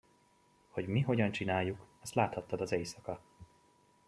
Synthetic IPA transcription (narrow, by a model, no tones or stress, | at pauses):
ho̞ɟmiɦo̞ɟɒnt͡ʃinaːjːukɒst̪laːt̪hɒt̪ːɒd̪ɒzɛjsɒkɒ